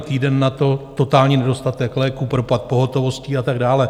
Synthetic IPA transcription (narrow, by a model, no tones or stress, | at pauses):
t̪iːdɛnːat̪o̞t̪o̞t̪aːlɲiːnɛdo̞st̪at̪ɛklɛːkupɾopat̪̚po̞ɦo̞t̪o̞vo̞sciːat̪aɡdaːlɛ